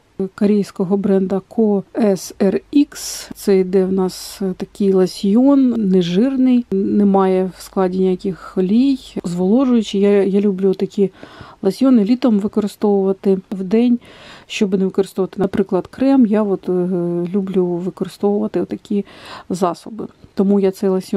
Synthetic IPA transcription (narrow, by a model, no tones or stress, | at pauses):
kɔɾʲijsʲkɔɦɔbɾɛnd̪ɐkʰɔɛsɛrikst̪sɛjd̪ɛwnɑst̪ɐkɪjlˠɐsʲjɔnneʒɪrnɪjnɛmɑjɛwsklˠɑdʲinʲijakʲɪxɔlʲijzʋɔlˠɔʒʊjʊt͡ʃɪjajalʲublʲut̪ɐkʲilˠɐsʲjɔnɪlʲit̪ɔmʋɪkɔɾɪst̪ɔʋʊʋɐt̪ɪwd̪ɛnʲʃt͡ʃɔbneʋɪkɔɾɨst̪ɔʋɐt̪ɪnɐpɾɪklˠɐd̪kɾɛmjaɔt̪lʲublʲuʋɪkɔɾɪst̪ɔʋʊʋɐt̪ɪt̪ːɐkʲizɑsɔbɪ̰t̪ɔmujat̪sɛjlˠɐsʲj